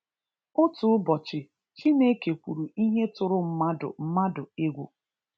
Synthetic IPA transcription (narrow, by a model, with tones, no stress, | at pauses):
ʊ˦tu˨ʊ˦bɔ˨t͡ʃɪ˨ | t͡ʃi˦ne˦ke˨kʷu˨ɾu˨i˦ɦe˦tʊ˨ɾʊ˦m̩˦ma˦dʊ̰˨m̩˦ma˦dʊ˨e˦ɡʷu˨